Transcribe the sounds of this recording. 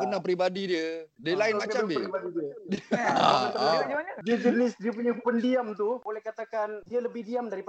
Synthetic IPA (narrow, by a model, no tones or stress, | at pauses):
kənapɾibadidiə | delainmat͡ʃambiibadidiə | a | diəd͡ʒənɪsdiəp̬uɲəpəndiamt̪ubolɛhkat̪akandiələbɪdiamdaɾipa